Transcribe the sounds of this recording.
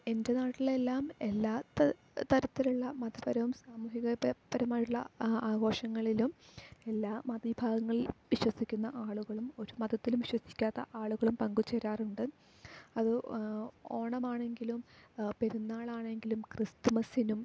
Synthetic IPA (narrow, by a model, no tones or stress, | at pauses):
e̞nde̞naːʈːile̞lːaːme̞lːaːt̪ːɐ | t̪ɐɾɐt̪ːiluɭːɐmɐd̪ɐpɐɾɐʋumsaːmuːhiɣɐpɐɾɐmaːjuɭːɐ̰aːɡo̞ːʂɐŋːɐɭilume̞lːaːmɐðibʱaːɡɐŋːɐɭilʋiɕwɐsikʲːunːɐʔaːɭuɣɐɭumo̞ɾumɐd̪ɐt̪ːilumʋiɕwɐsi̥kʲːaːt̪ːɐʔaːɭuɣɐɭumpɐŋɡut͡ɕːeɾaːruɳɖɨ | ɐðɨ | o̞ːɳɐmaːɳe̞ŋɡilumpe̞ɾunːaːɭaːɳe̞ŋɡilumkrist̪umɐsinum